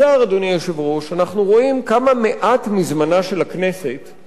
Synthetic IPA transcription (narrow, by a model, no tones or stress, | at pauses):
aʁad̪onijoʃevʁo̞ʃanaχnuʁo̞imkamame̞ʔatmizmanaʃe̞lakne̞se̞t